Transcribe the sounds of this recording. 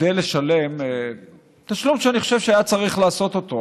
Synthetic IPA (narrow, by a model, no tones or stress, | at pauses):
dejle̞ʃale̞me | t̪aʃlumʃeaniχo̞ʃe̞v̥ʃeajat͡saʁiχlaːso̞t̪o̞t̪o